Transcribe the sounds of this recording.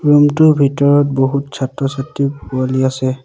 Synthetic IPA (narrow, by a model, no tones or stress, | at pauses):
ɹumtʊbʱitɔɹɔt̚boɦutt͡ʃʰatɹɔsatːipualiasɛ